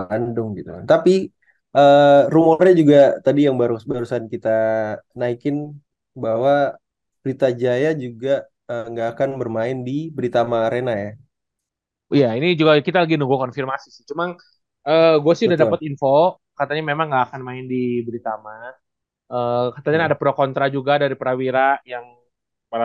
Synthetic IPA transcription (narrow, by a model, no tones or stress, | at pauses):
andʊŋɡit̪ṵkant̪api | ʔərumɔrɲad͡ʒuɡat̪adijaŋbaɾusbaɾusankit̪anaikɪn | bawa | b̥əɾit̪ad͡ʒajad͡ʒuɡa | əŋɡaːkanbərmaɪndibəɾit̪amaːɾenaja | ijainid͡ʒuɡakit̪alaɡinuɡakɔnfirmasisɪ̥t͡ʃuman | əːɡuasɪudahdapət̪info | kat̪aɲamemaŋɡaːkanmaɪndibəɾit̪ama | ʔəkat̪aɲaadapɾokɔnt̪ɾad͡ʒuɡadaɾipəɾawiɾajaŋ | paɾa